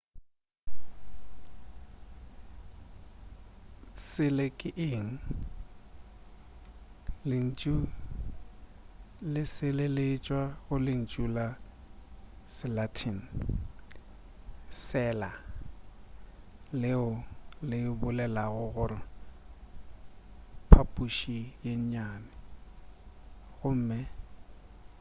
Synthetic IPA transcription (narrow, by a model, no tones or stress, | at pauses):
sɪlɪkʼɪʔɪːŋ̩ | lɪn̩t͡ʃʼu | lɪsɪlelet͡ʃʼwaɣʊlɪn̩t͡ʃʼula | sɪlatʰin̩ | sɛːla | lɪʊlɪbʊlɛlaɣʊɣʊɾɪ | pʰapʼuʃijeɲɲaːnɪ | ɣʊm̩ːmɪ